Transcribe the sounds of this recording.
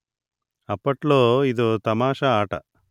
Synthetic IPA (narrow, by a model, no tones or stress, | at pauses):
ɐpːɐʈloːid̪oːt̪ɐmaːʃɐaːʈɐ̰